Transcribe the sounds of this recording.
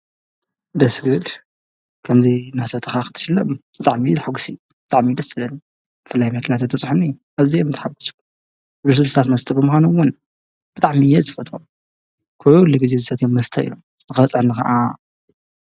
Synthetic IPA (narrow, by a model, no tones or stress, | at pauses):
d̪ɐsɡɨd̪ | kʰɐmzinasɐt̪ʰɨxaxɨ̥t̪ʰɨ̥ʃɨlːɐmbɨt̪ʼaʕmizɨħaɡusi | b̥ɨt̪ʼaʕmid̪ɐslɐni | b̥ɨfɨlːajmɐknijat̪at̪ʰːɐt͡sʼħunɨjːuʔaβzimt̪ʰħaɡu̥skːu | d̪uɾsɨlst̪ʰat̪mɐst̪ʰʼɐbɨmɨxʷanuwʊn | b̥ɨt̪ʼaʕmijɛzɨfɐt̪ʰʼwom | kʰuʕulːiɡizezɨsɐt̪ʰjomːɐst̪ʰɐḭlo̰m | nɨxɐɐt͡sʼʕnːɨxɐ̰ʔa̰